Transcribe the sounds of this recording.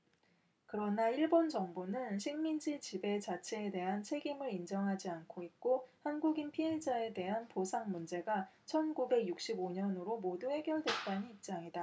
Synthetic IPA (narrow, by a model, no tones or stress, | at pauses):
kɯɾʌnaiɭbond͡ʑʌŋbonɯnɕʰiŋmind͡ʑit͡ɕibe̞t͡ɕat͡ɕʰe̞ːde̞ɦant͡ɕʰe̞ɡimɯɾind͡ʑʌŋɦad͡ʑiankʰoit̚k͈ohanɡuɡinpʰie̞d͡ʑae̞de̞ɦanposʰaŋmund͡ʑe̞ɡat͡ɕʰʌnɡube̞ɡjuk̚ɕ͈iboɲʌnɯɾomoduhe̞ɡjʌɭdwe̞t͈aniip̚t͡ɕ͈aŋida